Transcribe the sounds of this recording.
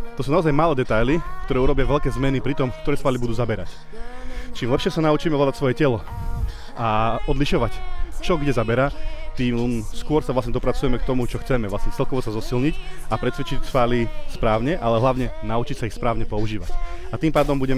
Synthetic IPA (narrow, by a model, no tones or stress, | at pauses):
t̪ɔsuːnaɔzajmaːlɛːd̪ɛt̪ajlikt̪ɔɾɛːuɾɔbɪaʋɛʎkɛːzmɛnipɾit̪ɔmkt̪ɔɾɛːsfaːlibud̪uːzabɛɾa̰c | t͡ʃiːmlɛpʃɪɛsanaut͡ʃiːmɛɔlad̪acsʋɔjɛcɛlɔ | ʔaɔd̪liʃɔʋact͡ʃɔɡɟɛzabɛɾaːt̪iːmmskʊɔɾsaʋlasɲɛd̪ɔpɾat͡sujɛmɛkt̪ɔmut͡ʃɔxt͡sɛmɛʋlasɲɛt͡sɛlkɔʋɔsazɔsilɲicapɾɛt̪sʋɛt͡ʃicsfaːlispɾaːʊɲɛʔalɛɦlaʊɲɛnaut͡ʃicsaixspɾaːʊɲɛpɔuʒiːʋacat̪iːmpaːd̪ɔmbuɟɛmɛ